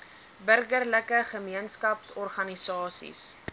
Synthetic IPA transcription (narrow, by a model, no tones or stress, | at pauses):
bərɡərləkəχəmiənskɐpsɔrχɐnisɑːsḭs